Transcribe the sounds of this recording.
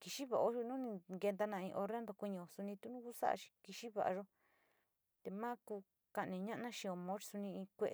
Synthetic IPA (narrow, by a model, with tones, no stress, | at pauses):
ki˧ʃi˦βa˨ʔo˦ʃu˧nũ˦nĩ˧ɡe˧nd̪a˧nã˧ĩ˧ʔo˧ɾe˦nd̪o˧kʷui˧ɲĩ˧o˨su˧nĩ˧t̪u˦nũ˦ku˦sa̰˦ʔa̰˧ʃi̥˧ki˧ʃi˦βa̰˨ʔa̰˧ʒo˦ | t̪e˧mã˦kuː˧ | ka˧ʔnĩ˧ɲã˦ʔnã˦ʃĩ˧o˧mõ˦t͡ʃi̥˧su˧nĩ˧ĩ˧kʷe˧ʔ